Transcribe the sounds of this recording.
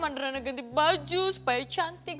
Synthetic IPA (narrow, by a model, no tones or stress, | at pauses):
mɐɳɖɾɐnɐɡɐnd̪ibɐd͡ʒuspɐjt͡ʃʰant̪ik